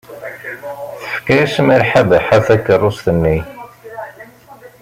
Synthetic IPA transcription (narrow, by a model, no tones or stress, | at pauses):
θəfkismiɾħabəħafækːərˤːʊsθənːi